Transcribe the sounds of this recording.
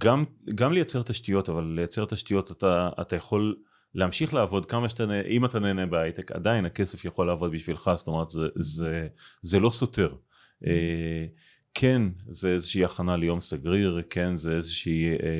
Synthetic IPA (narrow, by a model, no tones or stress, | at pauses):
ɡamɡamlejat͡seʁt̪aʃtijo̞tavalːejat͡se̞ʁt̪aʃtijo̞t̪at̪a̰ːtajaχo̞l | lːeamʃiχleavo̞dkamaʃt̪aneʔimat̪aneːnebeajt̪eka̰d̪ainake̞sefjaχo̞lːeavo̞d̪biʃvilχast̪o̞meʁet̪zezezelo̞so̞te̞ʁ | ʔe | kʰe̞nzeezeʃeiaχanalejo̞msaɡʁiʁkʰe̞nzeezeʃii